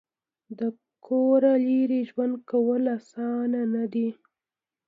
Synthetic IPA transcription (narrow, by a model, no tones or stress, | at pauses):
d̪ə | kʰoɾaliɾiʒwand̪̚kawəlasɑnanad̪i